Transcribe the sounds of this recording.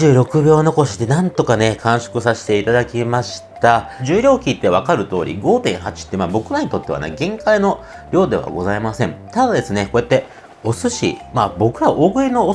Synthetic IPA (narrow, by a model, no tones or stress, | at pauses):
ɨːɾo̞kɯ̟bʲjo̞ːno̞ko̞ɕi̥d̪e̞nãnt̪o̞kane̞kʰãɰ̃ɕo̥kɯ̟saɕi̥t̪e̞it̪ad̪akʲimaɕi̥t̪aʑɨːɾʲo̞ːkʲiːt̪ːe̞β̞akaɾɯ̟t̪o̞ːɾʲḭɡo̞ːt̪ẽ̞ɰ̃ɦat͡ɕi̥t̪ːemaːbo̞kɯ̟ɾaɲ̟it̪o̞t̪ːe̞a̰nḛɡẽ̞ŋkaino | ɾʲo̞ːd̪e̞βa̰ɡo̞zaimasẽ̞ɴt̪ad̪ad̪e̞sɨne̞ko̞e̞t̪ːe̞ | o̞sɨɕḭmaːbo̞kɯ̟ɾaʔoɡɯ̟ino̞ː